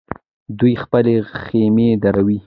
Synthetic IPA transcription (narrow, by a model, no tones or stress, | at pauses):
d̪ujxpəlexemed̪aɾawi